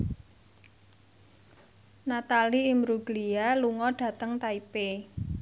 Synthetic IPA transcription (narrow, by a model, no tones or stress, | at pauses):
nat̪aliːmɾuɡlialuŋɔɖ̥ä̤t̪əŋt̪aipe